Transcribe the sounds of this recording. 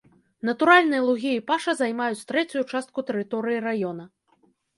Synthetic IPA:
nɐt̪uɾalʲnɨjɐlˠuɣʲiːpaʂɐzajmajut͡sʲt̪ɾɛt͡sʲujut͡ʂast̪̚kut̪ɛɾɨt̪ɔɾɨjiɾajɔn̪ɐ

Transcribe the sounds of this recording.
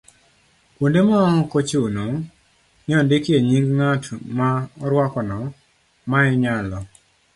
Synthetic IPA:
kwondemaɔŋɔkot͡ʃeunoŋ | nɪɔdɪkjeɲiŋɡŋatmaɔɾwakɔnɔ | maɛɲalɔ

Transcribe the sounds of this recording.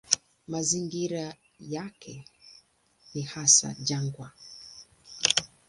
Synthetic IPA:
maziŋɡiɾa | jakʰɛ | nihasa̰d͡ʒaŋɡwa

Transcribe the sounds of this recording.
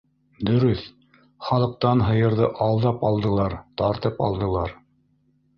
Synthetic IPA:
d̪ɵ̆ɾɵθ | χɑlˠɤ̆q̚t̪ɑnɦɤ̆jɤ̆ɾðɤʔɑlˠd̪ɑpɑlˠd̪ɤ̆lˠɑɾt̪ɑɾt̪ɤpɑ̰lˠd̪ɤ̆lˠɑɾ

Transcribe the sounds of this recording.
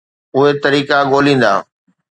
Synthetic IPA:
ʊɦet̪ɐɾiːkaɠoːlĩːn̆d̪aː

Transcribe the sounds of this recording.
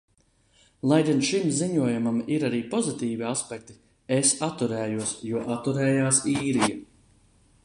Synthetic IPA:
lˠajd̪ʲinʃimziɲuɔjumamiɾaɾiːpɔzit̪iːviaspʲɛkt̪i̥ | esat̪ːuɾɛːjuɔsjuɔʔat̪ːuɾɛːjaːsiːɾija

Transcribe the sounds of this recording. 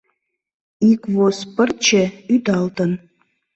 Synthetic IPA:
ikvospərt͡ɕʰeyd̪ɑlt̪ən

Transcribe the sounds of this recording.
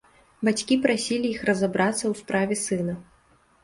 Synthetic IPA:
bat͡sʲkʲipɾasʲilʲijixrɐzabɾat̪sːɐwspɾavʲɛsɨnɐ

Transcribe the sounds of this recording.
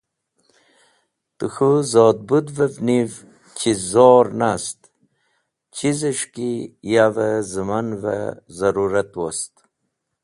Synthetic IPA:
t̪uxuzoːd̪̚bud̪vəvniv | t͡ɕʰizoːɾnast̪ | t͡ɕʰizəʂkijavəzəmanvə̰zɐɾuɾat̪wost̪

